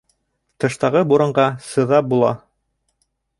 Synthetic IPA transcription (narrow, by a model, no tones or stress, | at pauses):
t̪ɤ̆ʃt̪ɑʁɤbuɾɤ̆ɴɢɑsɤ̆ðɑp̚bulˠɑ̰